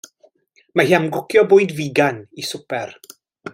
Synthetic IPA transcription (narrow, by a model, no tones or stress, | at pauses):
maɦamɡʊkʰjɔbʊːɨdviɡanisʊpɛr